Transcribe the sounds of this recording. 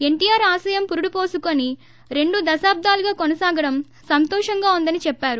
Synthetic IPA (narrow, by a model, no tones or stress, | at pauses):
e̞ɳʈijaːɾaːsɐːjɐmpuɾuɽupo̞ːsukoni | ɾe̞ɳɖud̪ɐsaːb̚d̪ʱaːluɡaːkonɐsaːɡɐɽɐm | sɐnt̪ɔːʂɐŋɡaːund̪ɐnit͡ʃɛpːaːɾu